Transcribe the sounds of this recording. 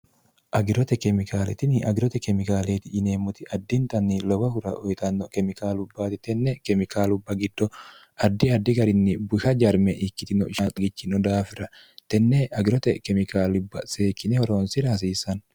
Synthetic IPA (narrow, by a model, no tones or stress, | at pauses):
ʔɐɡɪɾɔt̪ɛkɛmɪkaːlɛt̪ɪnɪʔɐɡɪɾɔt̪ɛkɛmɪkaːleːt̪ɪɪneːmːʊt̪ɪʔɐd̪ːɪnt̪ɐnːɪlɔbɐhʊɾɐʔɔjt̪ɐnːɔkɛmɪkaːlʊbːaːt̪ɪt̪ɛnːɛkɛmɪkaːlʊbːɐɡɪd̪ːɔ | ɐd̪ːɪɐd̪ːɪɡɐɾɪnːɪbʊʃɐd͡ʒɐɾmɛʔɪkːɪt̪ɪnɔɪʃɐɡɪt͡ʃːɪnɔd̪aːfɪɾɐ | t̪ɛnːɛɐɡɪɾɔt̪ɛkɛmɪkaːlʊbːɐ̰seːkːɪnɛhɔɾoːnsɪɾɐːs̬iːsɐn